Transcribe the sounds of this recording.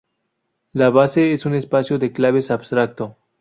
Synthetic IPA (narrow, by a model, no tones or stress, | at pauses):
laβase̞esune̞spasjoðe̞klaβesabst̪ɾak̚t̪o